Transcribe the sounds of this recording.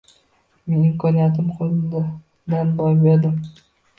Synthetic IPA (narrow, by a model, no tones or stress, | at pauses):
menɪmkʰɒnijat̪̬ʰɪmqʰolˠɪd̪ | d̪anbɒjbe̞ɾd̪ɪm